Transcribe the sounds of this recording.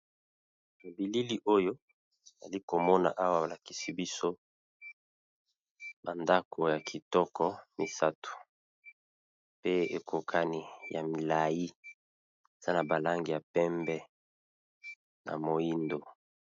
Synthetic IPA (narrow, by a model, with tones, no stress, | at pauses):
ba˨bi˨li˦li˦ʔo˦jo˦ | e˨za˨li˦ko˨mɔ˦na̰˨ʔa˦wa˦˨a˨la˨ki˨si˦bi˦so˦ | ba˨nda˦kʰo˨ja˨kʰi˨tɔ˦kʰɔ˦mi˨sa˦tu̥˨ | pe˦e˨ko˨kʰa˦ni˦ja˨mi˨la˨ji˦ | e˨z̥a˦na˨ba˨la˦ŋɡi˨ja˨pɛ˦mbɛ˦ | na̰˨mo˨i˦ndo˨